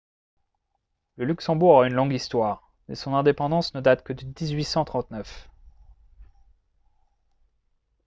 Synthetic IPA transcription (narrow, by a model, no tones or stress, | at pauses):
ləlyksɑ̃buʁʁaynlɔ̃ɡist̪waːʁ | mɛsɔ̃nɛ̃d̪epɑ̃d̪ɑ̃snəd̪at̪kəd̪əd̪izɥisɑ̃t̪χɑ̃t̪nœf